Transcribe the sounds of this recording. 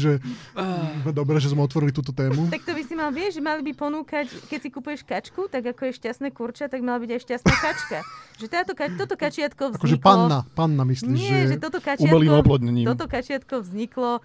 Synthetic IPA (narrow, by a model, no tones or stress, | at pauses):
ʒɛ | zmɛd̪ɔbɾɛʒɛzmɛɔt̪ʋɔɾilit̪uːt̪ɔt̪ɛːmut̪ak̚t̪ɔbisimalʋɪɛʒɛmalibipɔnuːkackɛcsikupujɛʃkat͡ʃkut̪aɡakɔjɛʃcast̪nɛːkuɾt͡ʃat̪aɡmalabiɟajʃcast̪aːkat͡ʃkaʒɛt̪aːt̪ɔkat̪ɔt̪ɔkat͡ʃɪat̪kɔvakɔʒɛpanːapanːamislɲiːmɪʒɛʒɛt̪ɔt̪ɔkauamɛliːmɔplɔd̪ɲɛɲiːmɔɔkat͡ʃɪat̪kɔvzɲiklɔ